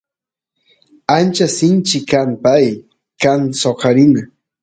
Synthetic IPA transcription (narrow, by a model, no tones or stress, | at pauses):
ant͡ʃasɪnt͡ʃɪkampaj | kansoqɑɾɪna